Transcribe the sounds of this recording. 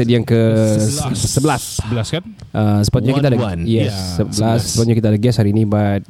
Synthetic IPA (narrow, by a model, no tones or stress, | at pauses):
ədijaŋkə | səbəlasblas | ʔəsəpat̪̚ɲakkit̪adajɛsːəblasəpat̪̚ɲakit̪adaɡɛshaɾiːnĩbat̚